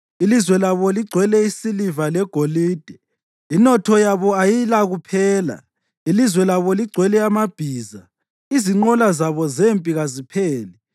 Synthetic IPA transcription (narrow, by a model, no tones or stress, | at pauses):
ilizwɛlaβɔliɡ͡ǀʱwɛlɛisilivalɛɡ̥ʱoliːd̥ʱɛ | inɔtʰɔjaβɔajilaɣupʰɛːla̰ | ilizwɛlaβɔliɡ͡ǀʱwɛlɛamab̥ʱiːza | iziŋ͡ǃɔlazaβɔzempʼiɣazipʰeːli